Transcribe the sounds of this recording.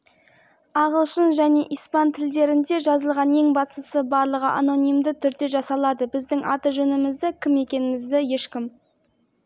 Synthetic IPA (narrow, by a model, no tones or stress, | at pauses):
ɑʁəlˠʃənʒæne̞ʔijspɑnt̪ʰɪld̪e̞ɾɪnd̪e̞ʒɑzəlˠʁɑnje̞ŋbɑst̪əsəbɑɾlˠəʁəʔano̞nijmd̪ɪt̪ʰʏɾd̪e̞ʒɑsɑlˠɑd̪əbɪzd̪ɪŋʔɑ̰t̪əʒɵnɪmɪzd̪ɪkʲʰɪme̞kʲe̞nɪmɪzd̪ɪje̞ʃkʲɪm